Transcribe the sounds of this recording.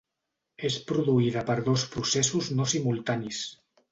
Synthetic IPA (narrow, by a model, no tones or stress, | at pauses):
espɾuðuiðəpəɾðospɾusesuznosimulˠt̪anis